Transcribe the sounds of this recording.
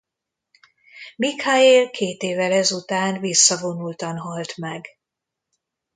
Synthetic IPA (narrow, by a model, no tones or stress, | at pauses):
mikhaeːlkʰeːt̪eːvɛlɛzut̪aːnvisːɒvo̞nult̪ɒnɦɒlt̪mɛɡ